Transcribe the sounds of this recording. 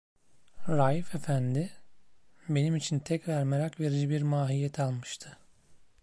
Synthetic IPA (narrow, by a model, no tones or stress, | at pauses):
ɾaːjifefænd̪ɪ | be̞nimit͡ʃʰint̪ʰɛcvæɾmeɾakve̞ɾid͡ʒibiɾmaːɦijɛt̪ʰalˠmɯʃt̪ʰɯ̥